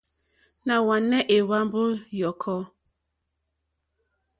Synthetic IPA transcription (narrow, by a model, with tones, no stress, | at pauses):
na˨wa˨nːɛ˦ʔe˨wa˦m˦bo˦jɔ˨kʰɔ˦